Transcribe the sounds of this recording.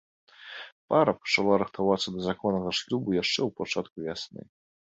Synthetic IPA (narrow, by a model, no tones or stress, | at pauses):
paɾɐpɐ̥t͡ʂalˠaɾɨxt̪avat̪sɐd̪ɐzakɔnːɐɣɐʂlʲubujaʂt͡ʂɛwpat͡ʂat̪kuvʲasnɨ̰